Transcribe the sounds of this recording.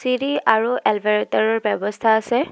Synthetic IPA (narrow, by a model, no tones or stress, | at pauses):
siɹiaɹuɛlbaɹtaɹɔɹbɔbɔst̪ʰaːsɛ